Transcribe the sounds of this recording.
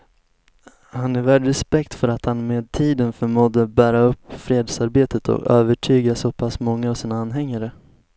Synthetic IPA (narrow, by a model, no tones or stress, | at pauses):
hanɛvæɖɾɛspɛkt̪fœɾat̪hanmeːd̪̚t̪ʰiːd̪ənfœɾmuːd̪əbæːɾaɵpːfɾeːd̪saɾbeːt̪ət̪ʰɔ̰køːvəʈʰyːɡasɔpʰasmɔŋːaːvsiːnaanɦɛŋːaɾə